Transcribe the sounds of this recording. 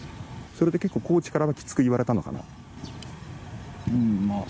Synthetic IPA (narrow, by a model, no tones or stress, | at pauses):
so̞ɾe̞d̪e̞ke̞kːo̞ːko̞ːt͡ɕi̥kaɾaβakʲi̥t͡sɨ̥kɯ̟iβaɾe̞t̪ano̞̰ka̰na̰ | ɯ̃ma